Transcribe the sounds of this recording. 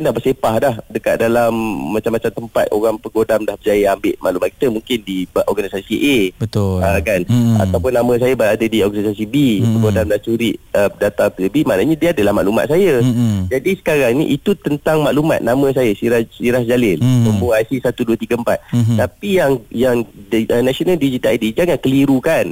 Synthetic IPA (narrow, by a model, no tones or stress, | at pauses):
kindahbərsepahdahdəka̰t̪̚dalamːãt͡ʃamːat͡ʃamt̪əmpat̪̚o̰ɣaŋpəɡodamdahbəd͡ʒajəambɪʔmaʔlumat̪̚ki̥t̪əmuŋkɪndibʔɔrɡanisasiʔebət̪ʊəkana̰t̪awpʊnːãmə̃s̬ajabəadadiɔrɡanisasibipəɡodamdaht͡ʃuɾiʔədat̪apəbimanaɲadiadəlahma̰ʔluma̰t̪̚sajad͡ʒadisə̥kaɾaŋnḭʔit̪ut̪ənt̪aŋmaʔluma̰t̪̚namə̃s̬ajasiɾahsiɾahd͡ʒalɪlməmboasisat̪uduət̪iɡəəmpat̪̚t̪apijaŋjaŋənasionaldid͡ʒit̪adid͡ʒaŋankəliɾukan